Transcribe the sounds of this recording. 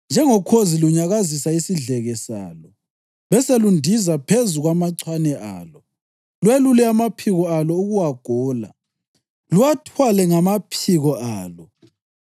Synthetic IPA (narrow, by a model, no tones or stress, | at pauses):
nd͡ʒʱɛŋɔkʰoziluɲaɣazisaisiɮɛɣɛsa̰ːlɔ | βɛselundʱizapʰezuɣwamaǀwanɛʔa̰ːlɔ | lwelulɛamapʰiɣɔalɔuɣuwaɡ̥ʱɔːla̰ | luwatʰwalɛŋamapʰiɣɔʔaːlɔ